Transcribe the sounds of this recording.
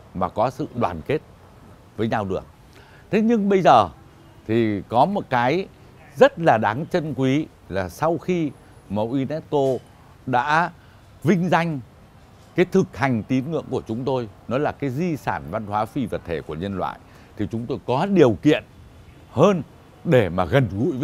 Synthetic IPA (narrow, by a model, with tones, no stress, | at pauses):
maː˨˩kɔ˨˦sɨ̰˧˨ɗwa̰ː˨˩nke˦˥t̚ | vəː˨˦jɲa˧wɗɨ˨˩ək̚ | t̪ʰe˨˦ɲɨ˧ŋɓə˧jzəː˨˩ | t̪ʰi˨˩kɔ˨˦mo˨˩t̚kaː˨˦j | zə˦˥t̚laː˨˩ɗaː˨˦ŋt͡ɕə˧nkwi˨˦ | laː˨˩sa˧wxi˧ | mə̰˧˨˩wʔi˧nɛ˦˥t̚ko˧ | ɗa̰ː˧˥ | vï˧ŋ̟za˧jŋ̟ | kaː˨˦jt̪ʰɨ˨˩k̚ha˨˩jŋ̟t̪i˨˦nŋɨ̰˧˨əŋku˧˩ət͡ɕʊ˨˦ŋ͡mt̪o˧jnɔ˨˦laː˨˩kaː˨˦jzi˧saː˧˩nva˧nhwaː˨˦fi˧vaː˨˩t̪ʰe˧˩ku˧˩əɲə˧nlwa̰ː˧˨j | t̪ʰi˨˩t͡ɕʊ˨˦ŋ͡mt̪o˧jkɔ˨˦ɗi˨˩əwkḭ˧˨ən | həː˧n | ɗe˧˩maː˨˩ɣə˨˩nɣṵ˧˨j